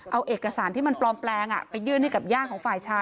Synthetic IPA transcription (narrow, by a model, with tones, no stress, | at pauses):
ʔa˧wʔeː˨˩kːa˧saː˩˦nt̪ʰiː˥˩ma˧nplɔː˧mplɛː˧ŋʔa̰˨˩pa˧jːɯ˥˩˨nt̪a˥˩ka˨˩p̚jaː˥˩kʰɔː˩˦ŋfaː˨˩jt͡ɕʰaː˦˥